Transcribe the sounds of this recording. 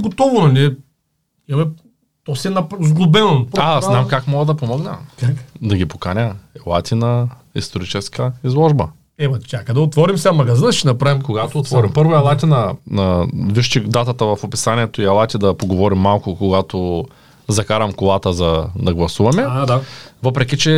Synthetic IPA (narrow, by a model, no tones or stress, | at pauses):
ɡot̪ɔvonɐliɛ | iɐmɛ | t̪ɔsɛɛnɐpzɡlˠobɛnopaznamkakmɔɡəd̪ɐpomɔɡnɐ̰kakd̪ɐɡʲipo̥kanʲəɛlˠat̪ʲinɐ | ḭst̪oɾit͡ʃɛskɐizlˠɔʒbɐ | ɛmɐt͡ʃʲakəd̪ɐot̪vɔɾimsamɐɡɐzinɐʃt̪ɛnɐpɾavimkoɡat̪oːt̪vɔɾimpɤɾvoɐlˠat̪ʲinɐnɐviʃt͡ʃid̪at̪ɐt̪əvɐfopi̥sanʲiɛt̪oiɐlˠat̪ʲid̪ɐpoɡovɔɾimːalˠkʊkoɡat̪o | zɐkaɾɐmkolˠat̪əzɐd̪ɐɡlˠɐsuvɐmɛavɤpɾɛk̬ʲit͡ʃɛ